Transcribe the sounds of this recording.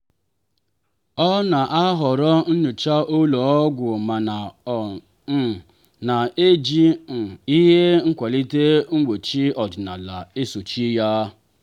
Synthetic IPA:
ɔ˦na˨ʔa˦ɦɔ˨ɾɔ˦n̩˦ɲʊ˨t͡ʃa˦ʔo˦lo˨ɔ˦ɡʷʊ˨ma˨na˨˦ | na˨e˦d͡ʒi˦n̩˨i˦ɦe˦ŋ̩˦kʷa˨li˦te˦ŋ͡m̩˦ɡ͡bo˨t͡ʃi˦ɔ˨d͡ʒɪ˨na̰˨la˨e˦so˨t͡ʃi˦ja˦

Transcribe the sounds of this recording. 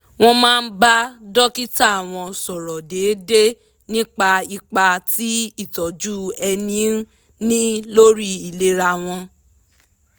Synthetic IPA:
w̃ɔ̃˧mãː˦˧n̩˦ba˦dɔ˦ki˦ta˦˨a˨w̃ɔ̃˧sɔ˨ɾɔ˨de˨˦de˦ | nĩ˦k͡pa˧i˧k͡pa˧ti˦i˦˨tɔ˨d͡ʒu˦ɛ˧nĩ˨˦n˦ | nĩ˦lo˦ɾi˦i˨le˧˦ɾa˧˨w̃ɔ̃˧

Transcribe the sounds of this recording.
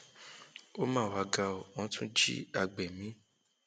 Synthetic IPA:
o˦mãː˦˨wa˨˧ɡa˧ɔ˨ɔ̃˨˦tũ˦d͡ʒḭ˦a˧ɡ͡bɛ˨mĩ˨˦

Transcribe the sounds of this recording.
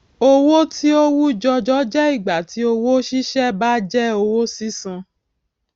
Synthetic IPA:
o˧wo˦ti˦o˦wu˦d͡ʒɔ˧d͡ʒɔ˦d͡ʒɛ˦i˦˨ɡ͡ba˨ti˨˦o˧wo˦ʃi˦ʃɛ˦ba˦d͡ʒɛ˦o˧wo˦si˦sã˧

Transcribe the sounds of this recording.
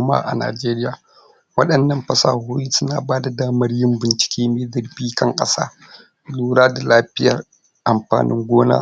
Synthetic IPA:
ma̰ː˦ʔa̰˨na̰ː˨d͡ʒeː˦ɾɪ˦jaː˨ | wɐ˦ɗɐ˨nːɐ˦˨mɸɐ˦sa̰ː˨hoː˦jiː˦sʊ˦naː˨baː˦da˨daː˦mɐ˦rjɪ˦mbɪ˨nt͡ʃɪ̥˨˦kʲeː˦meː˦dɐ˨ɾbiː˦kɐ˦ŋkʼɐ˦sa̰ː˦ | luː˦ɽaː˦da˨laː˦ɸɪ˦jɐ̰˨r | ʔa˨mɸa̰ː˨nʔɪ̰˦ŋɡʷoː˦na̰ː˦

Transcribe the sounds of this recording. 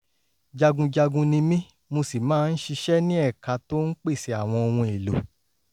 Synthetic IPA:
d͡ʒa˧ɡũ˧d͡ʒa˧ɡũ˧nĩ˧mĩ˦ | mo˧si˨mãː˦˧n̩˦ʃi˧ʃɛ˦nĩ˦ɛ˦˨ka˧to˦n̩˦k͡pe˦˨si˨a˨w̃ɔ̃˧ɔ˧wũ˧e˨lo̰˨

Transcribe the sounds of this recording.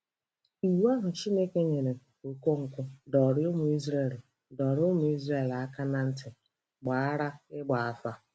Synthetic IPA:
i˨wu˦a˦ɦʊ˨t͡ʃi˦ne˦ke˦ɲe˨ɾe˨o˨ko˦ŋ̩˨kʷʊ˦dɔ˨ɾɪ˦ʊ˦mʊ˨i˦zɾe˨l | dɔ˨ɾɪ˦ʊ˦mʊ˦i˦zɾe˦˨la˨˦ka˦na˨n̩˦tɪ˨ | ɡ͡ba˨a˦ɾa˦ɪ˦ɡ͡ba˨a˨fa˦

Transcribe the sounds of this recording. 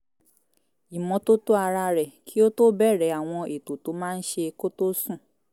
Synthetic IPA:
i˨mɔ̃˨˦to˦to˦a˧ɾa˧ɾɛ˨kʰi˦o˦to˦bɛ˦˨ɾɛ˨˦a˨w̃ɔ̃˧e˨to˨to˨˦mãː˦˧n̩˦ʃe˧ko˦to˦sũ˦˨

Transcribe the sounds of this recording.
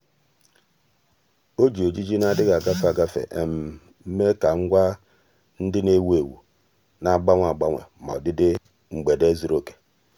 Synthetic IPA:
o˦d͡ʒi˨o˨d͡ʒi˦d͡ʒi˦na˦˨dɪ˦ɣa˨ɡa˦fa˨ɡa˦fḛ˨ʔe˨m̩˨˦ | me˦ka˨ŋ̩˦ɡʷa˦ | n̩˦dɪ˦ne˦we˨wṵ˨ | na˨ɡ͡ba˦ŋʷ˦a˨ɡ͡ba˦ŋʷḛ˨ma̰˨dɪ˦dɪ˦ | ŋ͡m̩˨ɡ͡be˨de˦zi˨ɾo˦ke̥˨

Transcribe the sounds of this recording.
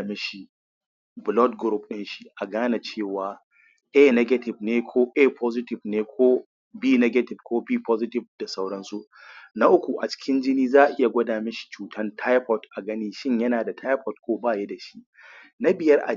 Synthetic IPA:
me˦ʃi˦ | bʊ˨lɔ˦dɡʊɾu˦p̚ɗɪ˦nʃi˦ʔa˨ɡaː˦na˨t͡ʃeː˦˨waː˨ | ʔɛː˦nɛ˦ɡɐ˦tɪ˨bneː˦kʷʰoː˦ʔe˦pʰɔː˦zɪ˦tɪ˨bneː˦kʷʰoː˦ | biː˦nɛ˦ɡɐ˦tɪ˨bkʷoː˦biː˦pʰɔː˦zɪ˦tɪ˨b̚da˨sa˦wɽɐ˦nsu˦ʔ | na˦ʔʊ˦kʷu˨ʔa˨t͡ʃɪ̥˦kʲɪ˦nd͡ʒɪ˦niː˦zaː˦ʔɪ˦ja˨ɡʷɐ˦daː˨meː˦ʃi̥˨t͡ʃuː˨tʰɐ˦ntʰa˦jɸɔ˨tʔa˨ɡɐ˦niː˦ʃɪ˦ɲjɐ˦naː˨da˨tʰa˦jɸɔ˨t̚kʷoː˦baː˦˨je˦da˨ʃi˦ʔ | na˦bɪ˨jɐ˦rʔa̰˨

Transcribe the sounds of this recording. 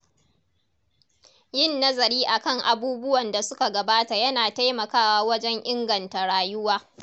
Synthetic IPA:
jɪ˦˨nːɐ˦zɐ˨ɾiː˦ʔa˨kɐ˦˨ŋʔa˨buː˦bʊ˦wɐ˨nda˨sʊ˦ka˨ɡɐ˨baː˦ta˨jɐ˦naː˨ta˦jmɐ˨kaː˦waː˦wɐ˦d͡ʒɛ˦ŋʔɪ˦ŋɡɐ˨nta˨ɽaː˨jʊ˦waː˦

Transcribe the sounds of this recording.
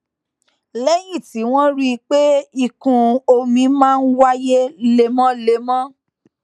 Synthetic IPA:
lɛ˦jĩ˦˨ti˨˦w̃ɔ̃˦ɾi˦˧k͡pe˦i˧kũ˧o˧mĩ˧mãː˦˧n̩˦wa˦je˦le˧mɔ̃˦le˧mɔ̃˦

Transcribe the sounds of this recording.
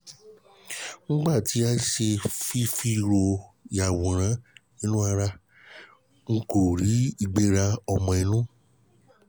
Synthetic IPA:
ñ̩˦ɡ͡ba˦˨ti˨˦a˧˦ʃe˧fi˦fi˦˧ɾo˧ja˨wũ˨ɾ̃ã˨˦nĩ˦nũ˦a˧ɾa˧ | ŋ̩˦ko˦˨ɾi˨˦i˧ɡ͡be˧ɾa˧ɔ˧mɔ̃˨˧i˧nũ˦

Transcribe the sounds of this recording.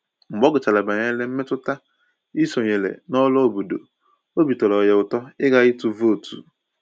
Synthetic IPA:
ŋ͡m̩˨ɡ͡bɔ˦ɡʊ˨t͡ʃa˨la˨ba˨ɲe˦le˦m̩˦me˦tʊ˦ta˦ | i˦so˨ɲe˨lḛ˨nɔ˦lɔ˦o˨bu˨do̰˨ | o˦bi˨tɔ˨lɔ˨je˨ʊ˨tɔ˦ɪ˦ɡa˦i˦tu˦vo˦˨tʰṵ˨

